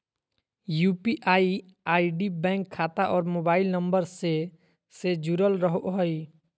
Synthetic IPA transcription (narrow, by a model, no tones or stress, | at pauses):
juːpiʔaːi | aːiɖibɛ̃ːŋkʰːaːt̪aʔɔːɾmoːbaːɪlnəmbəɾse | sed͡ʒuɾəlɾəɦoʔɦɔi